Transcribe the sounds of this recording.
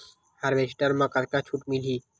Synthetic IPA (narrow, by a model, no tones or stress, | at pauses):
haɾʋesʈəɾmãkɐɾkãt͡ʃʰuʈmilʱiː